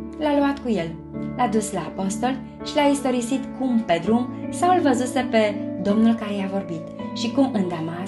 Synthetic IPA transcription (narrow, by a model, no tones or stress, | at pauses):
laluat̪kuje̞l | lad̪uslaːpo̞st̪o̞l | ʃilaist̪o̞ɾisit̪kumpe̞d̪ɾumsawɨlvəzuse̞pe̞d̪o̞mnulkaɾejavo̞rbit̪ʃikumɨnd̪ama